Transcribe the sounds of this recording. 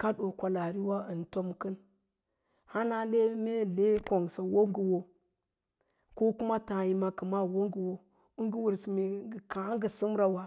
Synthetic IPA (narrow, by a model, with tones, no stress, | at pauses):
ka˦ɗo˨kʷa˨la˨ɾi˦wa˦ə˨n˨to˦mkə˦n | ha˦na˦le˦me˦le˦ko˨ŋsa˨wo˦ŋɡi˨wo˨ | ko˦ku˦ma˦ta˨ji˨ma˨kə˨ma˦wo˦ŋɡi˨wo˦ | u˦ŋɡi˦wu˨ɾsi˨me˨ɡə˨ka˨˦ŋɡə˨si˦m˦ɾa˨wa˨